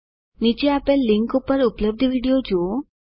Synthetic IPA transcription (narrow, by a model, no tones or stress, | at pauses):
nit͡ɕeapelːiŋkupəɾupləb̚d̪ʱəʋiɽijod͡ʑo